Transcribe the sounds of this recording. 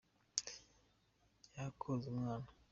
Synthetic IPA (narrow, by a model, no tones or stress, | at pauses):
jakʰozimwana